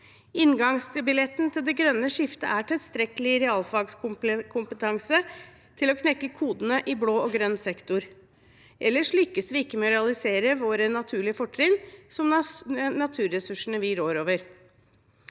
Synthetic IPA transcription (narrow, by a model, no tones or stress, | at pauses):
ɪnɡɑŋst̪ʰɪlbɪlɛt̪nt̪ʰɪld̪ɛɡɾœnːəʂɪft̪ə̰ʔæʈʰɪlst̪ɾɛkəlɪɾɛɑːlfɑɡskʊkʰʊmpət̪ʰɑŋsə | t̪ʰɪlɔkʰnɛkːəkʰuːd̪nəʔɪbloːɔɡɾœnsɛkt̪ʊɾ | ʔɛlːəʂɭʏkːəsʋɪɪkːəmɛɔɾɛɑlɪseːɾəʋoːɾənɑt̪ʰʉːɭɪəfɔʈʰːɾɪŋsɔmnɑt̪ʰʉːɾːɛsʉʂəɳəʋɪɾoːɾoːʋəɾ